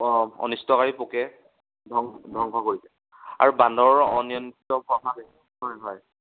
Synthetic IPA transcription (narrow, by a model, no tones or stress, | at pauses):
ɔ̰nistɔkaɹipokɛ | dʱɔŋdʱɔŋkʰɔkoɹisɛ | a̰ɹubandɔɹɔnijɔntitɔpʰɔbakɛ | ɦɔjɦɔj